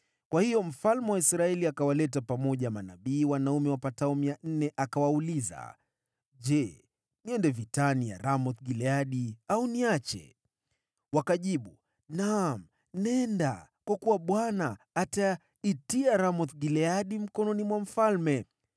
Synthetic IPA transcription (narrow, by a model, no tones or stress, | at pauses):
kwahijɔm̩falmɛwaisɾaɛliakawalɛt̬apamɔʄamanaɓiːwanaumɛwapataumijan̩nɛʔakawauliza̰ | ʄɛ | niɛndɛvitanija̰ɾamɔθɡilɛaɗiauniat͡ʃɛ̰ | wakaʄiɓu | nam̩ | nɛndakwakuwaɓwanaː | ta | itiaɾamɔθɡilɛaɗim̩kɔnɔnimwam̩falmɛ